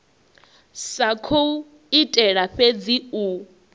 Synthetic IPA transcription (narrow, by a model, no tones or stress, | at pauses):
sakʰou | itʼɛɺaɸed͡ziu